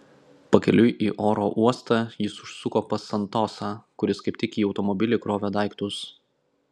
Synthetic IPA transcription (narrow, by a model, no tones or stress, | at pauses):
pɐkʲɛlʲʊjʔiːʔoːɾoːʔuɔst̪ɑjɪsʊʃsʊkoːpɐsɐnt̪oːsɑːkʊɾʲɪskɐɪp̚ʲt̪ʲɪkʲiːɒʊt̪ɔmɔbʲɪlʲɪkɾoːʋʲɛd̪ɑˑɪkt̪ʊs